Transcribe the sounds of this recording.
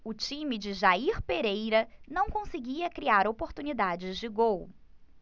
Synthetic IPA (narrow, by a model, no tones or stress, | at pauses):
ʊt͡ʃĩmɪd͡ʒɪʒaiɾpeɾejɾɐnɐ̃w̃kõsɪɡiɐkɾiaɾopoɾt̪unid̪ad͡ʒɪzd͡ʒɪɡow